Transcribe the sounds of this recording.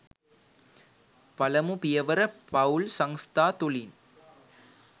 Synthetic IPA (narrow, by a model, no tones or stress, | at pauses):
pɐlɐmupɪjɐʋɐɾɐpɐʊlsɐŋst̪ʰaːt̪ʊlin